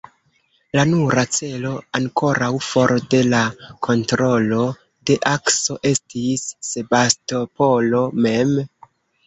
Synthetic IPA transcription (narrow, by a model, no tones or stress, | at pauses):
lanuɾat͡se̞lo̞aŋko̞ɾawfo̞ɾde̞lakʰo̞ntɾo̞lo̞ | de̞ʔakso̞ʔe̞stisːe̞basto̞po̞lo̞me̞m